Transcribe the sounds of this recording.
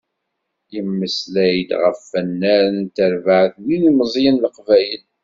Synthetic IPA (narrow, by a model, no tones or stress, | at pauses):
jəmːəslæjəd̪ʁəfːənːæɾnt̪əɾvaʕəθninməzˤjənləqvæjəl